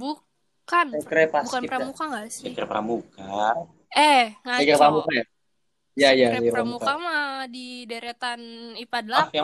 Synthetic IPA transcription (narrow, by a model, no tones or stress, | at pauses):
bu | kanɛkɾepabukanpɾamukaŋasɛkəɾpɾa̰muka | ɛŋaekiɾpɾamukaa | jaijaipamuukakamadideɾet̪anipadlaja